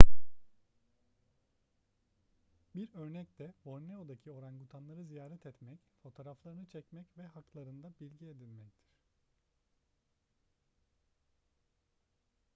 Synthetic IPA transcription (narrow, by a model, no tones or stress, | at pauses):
biɾø̞ɾnɛct̪ʰɛbo̞ɾneod̪acʰio̞ɾanɡut̪ʰanlˠaɾɯzijaːɾɛt̪ʰɛt̪mɛcfo̞t̪ʰo̞ːɾaflˠaɾɯnɯt͡ʃʰɛcmɛcvɛɦaklˠaɾɯnd̪abilʲɟied̪ilʲmɛc̚t̪ʰiɾ̥